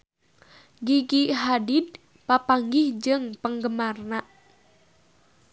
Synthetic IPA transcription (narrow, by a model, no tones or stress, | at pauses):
ɡiɡiɦadid̚ | papaŋɡihd͡ʒɨŋpəŋɡəmarnaʔ